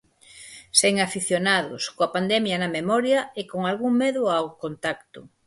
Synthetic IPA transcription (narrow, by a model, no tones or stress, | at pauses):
seŋafiθjonaðʊ̰skoapand̪ɛmjɐnɐmemɔɾjɐekoŋalɣuŋmeðʊawkont̪akt̪ʊ